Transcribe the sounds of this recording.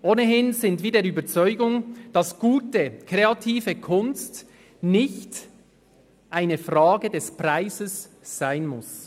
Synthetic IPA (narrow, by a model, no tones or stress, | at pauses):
ʔoːnəɦɪnzɪntv̥iːdeːɐɾyːbəɐt͡sɔʏɡʊŋd̥ɑsɡ̥uːtəkʁ̥eɑtʰiːvəkʰʊnst | nɪçt | ʔaɪnəfʁaːɡədɛspʁaɪzəsː | aɪnmʊs